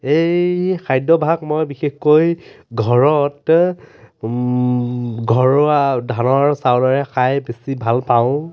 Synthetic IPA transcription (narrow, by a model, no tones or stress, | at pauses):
ejkʰajdɔbʱakmojbixexkoj | ɡʱɔɹɔt | ɡʱɔɹadʱanɔɹsawdɔɹɛxʰajbesibʱalpaʊ̃